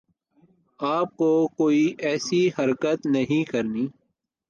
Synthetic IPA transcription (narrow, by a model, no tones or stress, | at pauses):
aːp̚kokoːiʔɛːsiɦɐɾkət̪nɐɦĩkəɾniː